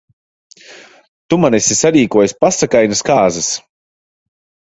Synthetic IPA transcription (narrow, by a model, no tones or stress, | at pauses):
t̪umanɛsʲisaɾiːkuɔjspasakajnaskaːzɨs